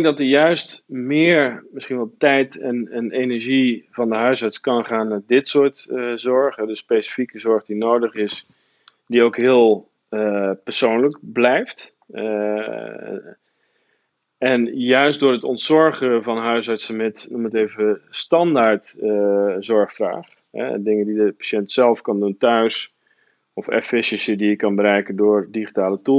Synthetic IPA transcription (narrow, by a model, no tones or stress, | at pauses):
ɪŋɡ̚dɑtəɹjœɥstmɪːɹmɪsχinʋɛlˠtɛjtɛnənejnɛɹʒivɑndəɦœɥsɑɹtskɑnχaːnːadɪtsʊːɹtzɔɹχədəsːpejsi̥fikəzɔɹχdinowdəχɪs | diowkɦɪːəlˠ | pəɹsownləkblɛjft | ɛnjœɥstdʊːrətɔntsɔɹχəvɑnɦœɥsasəmɛtnuməteːvəstɑndaɹt | zɔɹχfra̰ːχ | ɦɛ̰dɪŋəndidəpḁʃɛntsɛlˠfkɑnduntœɥs | ɔfɛ̰fɪsəsjədiɪkːɑnbəɾɛjkəndʊːrdiχitaːlətu